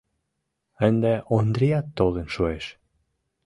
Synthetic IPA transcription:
ænd̪æʔond̪ɾiɑt̪ːolˠĕnʃueʃ

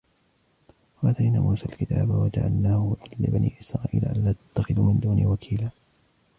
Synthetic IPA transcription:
waʔat̪ajnaːmʔuːsaːlkɪt̪ʰa̰ːbawad͡ʒaʕa̰lnaːhʊwad̪ɪlːɪbanʔḭːʔɪsɾˤaːʔiːla̰ʔalːaːt̪ḁt̪ːaxɪðumɪnd̪uːniwakʰiːlaː

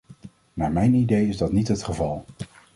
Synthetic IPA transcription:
maːɹmɛjnidejɪzdɑtnitɦətχəvɑlˠ

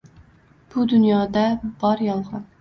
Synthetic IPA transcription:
b̥ud̪unjɑːd̪ɛbɑɾjɑlˠʁɑn

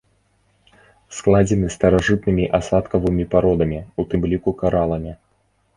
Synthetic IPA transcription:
sklˠad͡zʲɛnɨst̪ɐɾaʐɨt̪nɨmʲiʔasat̪kɐvɨmʲipaɾɔd̪ɐmʲiut̪ɨmlʲikukaɾalˠɐmʲi

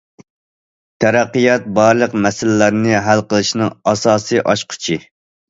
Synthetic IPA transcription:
t̪ʰɛɾæqːijɑt̪̚bɑɾlˠəqmɛsɪlɪlæɾnɪɦælqəlˠɨʃnɨŋɑsɑːsɨʔɑʃqʰʊ̥t͡ʃʰi

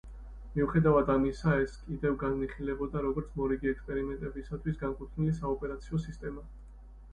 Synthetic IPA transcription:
miuχɛd̪avad̪amisaɛskʼid̪ɛvɡanniχilɛbɔd̪aɾɔɡɔɾt̪sʰmɔɾiɡiɛkspʼɛɾimɛnt̪ʼɛbisat̪ʰwisɡamkʼut̪ʰnilisaɔpʼɛɾat̪sʰiɔsist̪ʼɛma

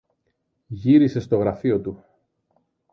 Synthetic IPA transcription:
ʝiɾise̞st̪o̞ɣɾɐfio̞t̪u

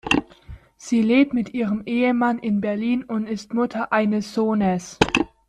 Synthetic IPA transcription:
z̥iːleːp̚tmɪtʔiːʁəmʔeːəmanʔɪnbɛɐliːnʊntɪstmʊtʰɐʔaɪnəsz̥oːnəs

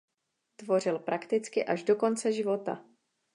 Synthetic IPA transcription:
t̪vo̞r̝ɪlpɾʔakt̪ɪt͡skɪʔaʒdo̞ko̞nt͡sɛʒɪvo̞t̪a̰

